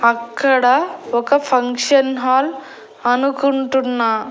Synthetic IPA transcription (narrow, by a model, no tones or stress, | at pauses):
ɐkːɐɽaɔkɐpʰɐŋkʂɐnɦaːl | ɐnukuɳʈunːa